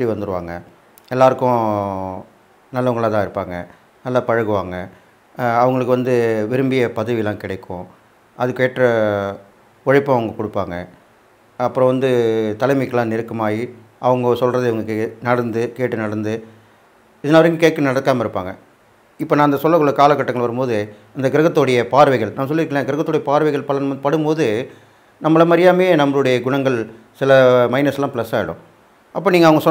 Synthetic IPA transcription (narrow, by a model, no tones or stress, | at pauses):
ɾiʋɐnd̪ɯɾɯʋa̰ːŋɡɐ | ɛlːaːɾɯkːʊ̃ | nɐlːɐʋɐŋɡɐɭãːt̪ãːɪɾɯpːaːŋɡɐ | nɐlːɐpɐɻɐɣɯʋaːŋɡɐ | ɐʋɐŋɡɐɭɯkːɯʋɐnd̪ɯʋɪɾɯmbɪjɐpɐðɐʋɪjɐlãːkɪɽɐɪkʰːʊ̃ | ʔɐðɯkːeːʈrɐ | ɔɻɪpːõɐʋɐŋɡɐkʊɽɯpːaːŋɡɐ | ɐpːɯɾɔ̃ʋɐnd̪ɯt̪ɐlɐɪmɪkːɐlãːnɪɾɯkːɐmaːji | ɐʋɐŋɡɐsɔlrɐðɯɪʋɐŋɡɐɭɯkːɯnɐɽɐnd̪ɯkeːʈːɯnɐɽɐnd̪ɯ | ɪðɐnaːʋɐɾɪŋɡɐkeːʈ̚kːɐnɐɽɐkːaːmɐɪɾɯpːa̰ːŋɡɐ | ɪpːoːnãːɪnd̪ɐsɔlːɐkːɯɭːɐkaːlɐkːɐʈːɐŋɡɐɭʋɐɾɯmpoːðɯ | ɪnd̪ɐɡɪɾɐɣɐt̪ːoːɽɐjɐpaːɾʋɐɪɣɐɭnamːɐs̬ɔlːɪɾkɐlẽːɡɪɾɐɣɐt̪ːoːɽɐjɐpaːɾʋɐɪɣɐɭpɐlɐnpɐɽɯmpoːðɯ | nɐmːɐɭɐmɐɾɪjaːmeːnɐmːɐɭɯɽɐjɐɡʊɳɐŋɡɐɭ | sɪlɐmɐɪnɐsɐlːãːpɪlɐsaːɪɽʊ̰̃ | ʔɐpːoːniːŋɐʋɐŋɡɐsɔ